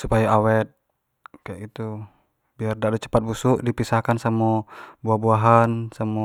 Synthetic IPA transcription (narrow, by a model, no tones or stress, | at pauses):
supajaawɛt̪̚ | kajaʔit̪u | biardalut͡ʃə̥pat̪̚busuʔdipisahkansamɔbuahbuaɦansamɔ